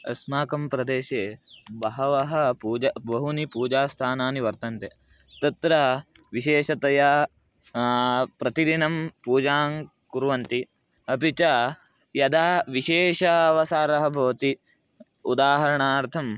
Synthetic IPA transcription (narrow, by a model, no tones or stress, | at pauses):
ɐ̰smaːkɐmpɾɐd̪eːʃeːbɐɦɐʋɐɦɐ̆puːd͡ʒɐbɐɦunipuːd͡ʒaːst̪ʰaːnaːniʋɐɾt̪ɐnt̪e | t̪ɐt̪ɾɐ | ʋiʃeːʃɐt̪ɐjɐ | pɾɐt̪id̪inɐmpuːd͡ʒaːŋ | kuɾʋɐnt̪i | ɐpit͡ʃɐ | jɐd̪aːʋiʃeːʃɐɐʋɐsaːɾɐɦɐbʱɐʋɐt̪i | ud̪aːɦɐɾɐɳaːɾt̪ʰɐm